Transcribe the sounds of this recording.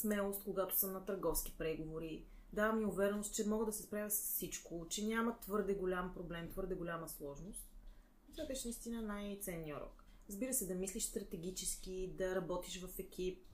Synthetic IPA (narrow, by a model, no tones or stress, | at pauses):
smɛlˠost̪koɡat̪ʊ̥sɤmnɐt̪ɐɾɡɔfski̥pɾɛɡovoɾi | d̪avɐmiʊvɛɾɛnost̪t͡ʃɛmɔɡəd̪ɐsɛspɾavʲɐsssit͡ʃkot͡ʃɛnʲamɐt̪vɤɾd̪ɛɡolʲampɾoblɛmt̪vɤɾd̪ɛɡolʲaməslˠɔʒnost̪̚ | t̪ad̪ɛʃɛnəist̪inənajt̪sɛnːiəɾɔ̰k | ɾəzbiɾəsɛd̪ɐmisliʃst̪ɾɐt̪ɛɡ̟ʲit͡ʃɛsk̟id̪ɐɾɐbɔt̪iʃvɐfɛkʲʰip̚